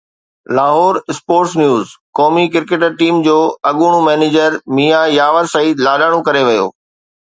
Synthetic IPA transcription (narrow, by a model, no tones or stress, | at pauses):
laːɦɔːɾɪspoːɾʈsnjuːzkɔːmikɪɾkeːʈəɾʈiːmd͡ʑoːɐɠuːɽ̃ũmɛːneːd͡ʑəɾmiːajaːʋəɾsɐiːd̪laːɗaːɽ̃õkɐɾeʋɐjo̰ː